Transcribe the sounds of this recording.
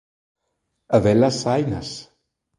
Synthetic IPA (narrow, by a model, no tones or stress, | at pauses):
əvɛlasajnəs